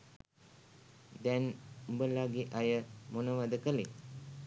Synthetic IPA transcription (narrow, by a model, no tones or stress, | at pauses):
d̪ɛnbəlaɡiʔajəmonəʋad̪əkəle